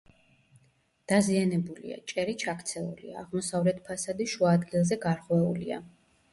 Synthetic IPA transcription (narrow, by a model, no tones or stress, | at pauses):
d̪̥azianɛbulḭa̰t͡ʃʼɛɾit͡ʃʰakʰt̪sʰɛṵlḭaːʁmɔsavɾɛt̪ʰpʰasad̪iʃuaːd̪ɡilˠzɛɡaɾʁwɛulḭa̰